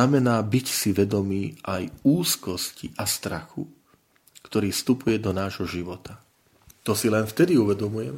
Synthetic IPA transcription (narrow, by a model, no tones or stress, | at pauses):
amɛnaːbicsiʋɛd̪ɔmiːʔajuːskɔscḭʔast̪ɾa̰xu | kt̪ɔɾiːfst̪upujɛd̪ɔnaːʒɦɔʒiʋɔt̪ʰa | t̪ɔsilɛnft̪ɛd̪iuʋɛd̪ɔmujɛm